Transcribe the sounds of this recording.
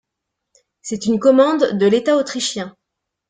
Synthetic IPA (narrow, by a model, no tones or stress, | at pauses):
sɛt̪ynkɔmɑ̃d̪ːəlet̪aot̪χiʃjɛ̃